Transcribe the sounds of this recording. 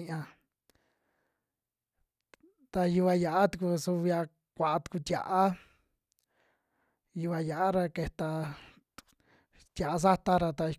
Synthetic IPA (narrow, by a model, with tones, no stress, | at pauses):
ã˧ | t̪a˧ju˧βa˧ja˨ʔa˦t̪u˧ku˧su˧βja˧ | kʷa˨ʔa˧t̪u̥˧ku˧t̪ʲja̰˨ʔa˦ | ju˧βa˧ja˨ʔa˦ɾa˧ke˧t̪a˧ | t̪ʲja˨ʔa˧s̬a˦t̪a˦ɾa˧t̪a˧i˧